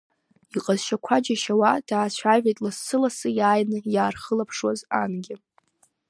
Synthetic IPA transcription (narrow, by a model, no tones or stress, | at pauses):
iqʼazʃakʷʰad͡ʒaʃawad̥aːt͡ɕʷʰavʲʷetʼlasːɨlasɨjaːjnɨjaːrχəlapʰʂwazanɡʲɪ